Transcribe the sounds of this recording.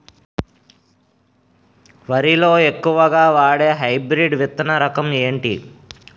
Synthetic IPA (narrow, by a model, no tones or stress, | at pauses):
ʋɐɾilo̞ːe̞kːuʋɐɡaːʋaːɽe̞ːɦɐjbɾiɖʋit̪ːɐnɐɾɐkɐme̞ːɳʈḭ